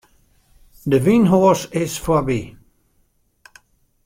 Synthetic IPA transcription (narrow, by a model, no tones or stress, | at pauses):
d̪əvĩnɦɔsɪsfɔbi